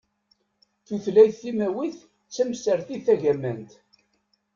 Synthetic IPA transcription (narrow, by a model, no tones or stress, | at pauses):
θuθlæjθimæwiθ | t͡sːæmsəɾθiθæʝæmænt̪